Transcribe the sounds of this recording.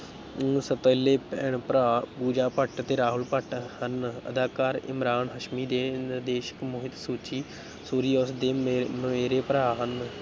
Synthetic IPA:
sət̪əleːpɛɳpɾaːpuːd͡ʒaːpəʈt̪eːɾaːɦʊlpəʈhənə̰d̪aːkaːɾɪ̰mɾaːnɦəʃmiːd̪eːnd̪eːʃə̥kmʊɦɪt̪suːt͡ʃiː | soːɾiːɔːsd̪eːməeːɾeːpɾaːɦən

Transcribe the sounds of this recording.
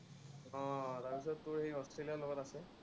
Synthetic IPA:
ɔ̃taɹpis̬ɔtːʊɹhejɔstʰɹelijaloɡɔtasɛ

